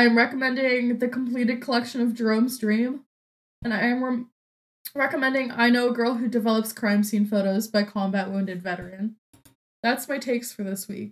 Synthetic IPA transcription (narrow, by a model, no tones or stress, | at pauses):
aɪɨ̃mɹɛkəmɛ̃ndɪ̃ŋðɨkʰm̩pʰl̥iɾɨd̚kʰəlɛkʃɨ̃nʌvdɹõʊ̃mzdɹĩm | ɨ̃naɪɨ̃m | ɹɛkəmɛ̃ndɪ̃ŋa̰ɪnoʊəɡɜ˞lˠɦʉdɨvɛlˠəpskʰɹ̥ãɪ̃msĩnfoʊɾoʊzbaɪkʰɑ̃mbæʔ̚wũʊ̃ndɨdvɛɾə˞ɨ̃n | ðætsmaɪtʰeɪkstfə˞ðɪswḭk̚